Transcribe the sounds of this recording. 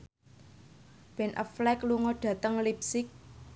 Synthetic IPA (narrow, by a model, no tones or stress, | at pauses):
b̥ɛnʔə̰flɛkluŋɔɖ̥a̤t̪əŋlipsɪk̚